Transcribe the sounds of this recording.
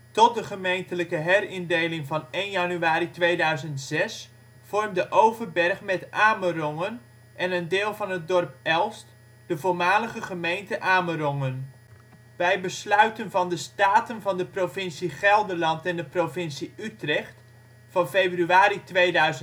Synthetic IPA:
tɔt̚dəχəmejntələkəɦɛrɪndejlɪŋvɑnejnjɑnyaːɾitʋejdœɥzəntz̥ɛs | fɔrmdəʔowvərbɛrχmɛtʔaːmərɔŋən | ʔɛnəndɪːlˠvɑnət̚dɔrpɛlˠst | d̥əvoːɹmaːləχəχəmejntəʔaːmərɔŋən | bɛjbəslœɥtənvɑndəstaːtənvɑndəprovɪnsiχɛlˠdəlɑntɛndəprovɪnsiytrɛχt | fɑnfejbryaːɾitʋejdœɥzə

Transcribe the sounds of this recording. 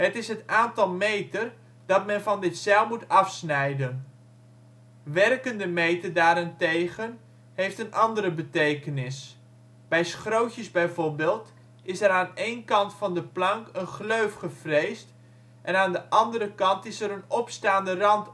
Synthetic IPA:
ɦətɪsɦətaːntɑlˠmejtər | d̥ɑtmɛnfɑndɪtsɛlˠmutɑfsnɛjdən | ʋɛrkəndəmejtərdaːɾɪntejɣən | hejftənʔɑndəɾəbətejkənɪs | b̥ɛjsχrowtəzbɛjvorbeːlˠt | ɪsɛɾaːneːnkɑntfɑndəplɑŋkənχløɥfχəv̥rejst | ʔɛnaːndəʔɑndərɾəkɑntɪsəɾənɔpstaːndərɑnt

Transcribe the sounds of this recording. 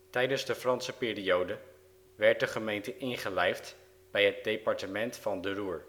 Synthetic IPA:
tɛjdənzdəfrɑnsəpɪːriowdə | ʋɛɹt̚dəχəmejntəʔɪnχəlɛjft | b̥ɛjɦət̚dejpɑɹtəmɛntfɑndəruːɹ

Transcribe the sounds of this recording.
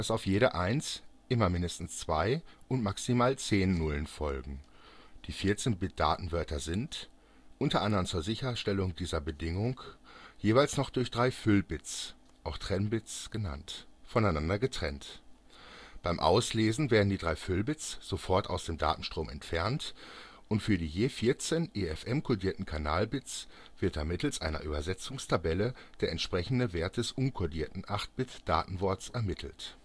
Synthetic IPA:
d̥asaʊfjeːɾəʔaɪnsʔɪmɐmɪndəstn̩st͡sv̥aɪʔʊntmaksimaːlt͡seːnːʊlənfɔlɡŋ̩d̥iːfɪɐt͡seːnbɪt̚d̥a̰ːtn̩vœɐtʰɐzɪnt | ʔʊntɐʔandɐʁənt͡suːɐzɪçɐʃtɛlʊŋdiːzɐbədɪŋʊŋjeːvaɪlsnɔχd̥ʊɐçd̥ʁaɪfʏlbɪt͡s | ʔaʊxtʁ̥ɛnbɪt͡sɡ̥əna̰ntfɔnaɪnandɐɡətʁ̥ɛ̰nt | b̥aɪmʔa̰ʊsleːzn̩veːɐdn̩diːdʁaɪfʏlbɪt͡sz̥ofɔɐta̰ʊsd̥eːmda̰ːtn̩ʃtʁ̥oːmɛ̰ntfɛɐnt | ʔʊntfyːɐdiːjeːfɪɐt͡seːnʔeːɛfʔɛmkʰodiːɐtn̩kʰanaːlbɪt͡s | v̥ɪɐt̚d̥amɪtl̩sʔaɪnɐ̰ʔyːbɐzɛt͡sʊŋstʰabɛlə | d̥eːɐɛntʃpʁ̥ɛçn̩dəveːɐt̚d̥ɛsʔʊnkʰɔdiːɐtn̩ʔaχt̚b̥ɪt͡sd̥a̰ːtn̩vɔɐt͡sɛɐmɪtʰl̩t

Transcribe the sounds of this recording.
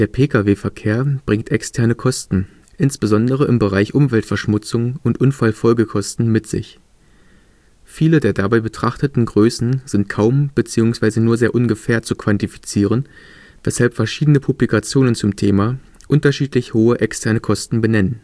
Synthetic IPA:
d̥eːɐpʰeːkʰaveːfɛɐkʰeːɐb̥ʁɪŋktʔɛkstʰɛɐnəkʰɔstn̩ | ʔɪnsb̥əzɔndəʁ̞əʔɪmbəʁaɪçʔʊmvɛltfɛɐʃmʊt͡sʊŋʊntʔʊnfalfɔlɡəkʰɔstn̩mɪtz̥ɪ̰ç | fiːlədeːɐdabaɪbətʁ̥aχtətn̩ɡʁøːsn̩z̥ɪnt̚kʰaʊmb̥ət͡siːʊŋsv̥aɪzənuːɐzeːɐʔʊnɡəfɛːɐt͡sukv̥antifi̥t͡siːʁ̞ən | vɛshalpfɛɐʃiːdənəpʰublikat͡sjoːnənt͡sʊmtʰeːma | ʔʊntɐʃiːtlɪçhoːəʔɛkstʰɛɐnəkʰɔstn̩bənɛnən

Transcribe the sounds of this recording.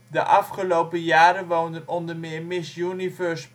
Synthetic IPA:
də̰ʔɑfχəlowpəjaːɾəʋowndənɔndəmɪːɹmɪsjynivœɹs

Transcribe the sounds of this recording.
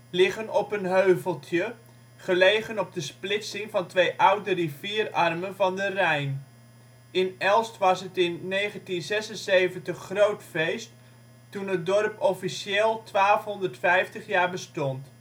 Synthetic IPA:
lɪχənɔpənɦøɥvəlˠtjə | χəlejχənɔb̚dəsplɪtsɪŋvɑntʋejʔʌwdəriviːrɑrmənvɑndərɛjn | ɪnɛlˠstʋɑsɦətɪnːejχəntinzɛsənzejvəntəχːrowtfejstː | unɦət̚dɔrpɔfiʃeːlˠtʋaːlˠfɦɔndəɹtfɛjftəχjaːɹbəstɔnt

